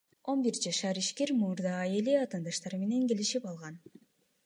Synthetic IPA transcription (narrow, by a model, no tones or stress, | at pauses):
o̞nbiɾd͡ʒɑʃɑɾiʃke̞ɾmuɾd̪ɑjeleɑt̪ɑnd̪ɑʃt̪ɑɾme̞ne̞ŋke̞liʃipɑlˠʁɑn